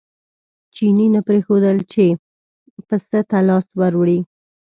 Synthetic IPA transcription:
t͡ʃininapɾexod̪əlt͡ʃe | pəst̪ət̪alɑswaɾwɽi

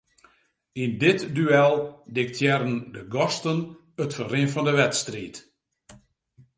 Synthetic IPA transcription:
indɪtdyɛlˠdɪk̚tʰjɛrəndəɡɔstən | ətfərɪnfɔndəʋɛtstriːt

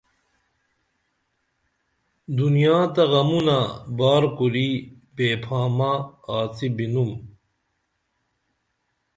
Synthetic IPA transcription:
d̪unijaːt̪ɐʁɐmunabaːɾkuɾi | beːpʰaːmaaːt͡sibinum

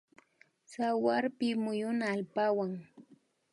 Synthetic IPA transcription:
sawaɾpɪmʊjʊnaːlpawaŋ

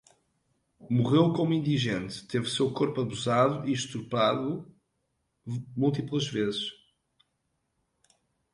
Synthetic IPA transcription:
muʁewkomuĩnd̪iʒẽnt̪t̪evsewkoɾpuɐβuzaðuiʃt̪uɾpaðu | mulˠt̪iplˠɐʒvezɨʃ

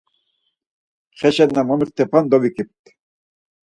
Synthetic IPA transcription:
χɛʃɛd̪namɔmiɾt̪ʰːɛpʰand̪ɔvikʼip̚t̪

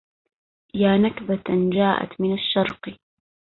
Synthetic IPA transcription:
jaːnakbad͡ʒaːʔa̰t̪mɪnaʃːɑɾˤq

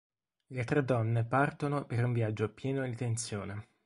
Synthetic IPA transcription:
let̪ɾed̪ːɔnːepart̪onopeɾuɱvjad͡ʒːopjɛːnod̪it̪ent̪sjoːne

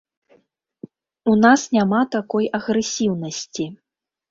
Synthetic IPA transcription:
unasnʲamat̪akɔjɐɣɾɛsʲiwnɐsʲt͡sʲi

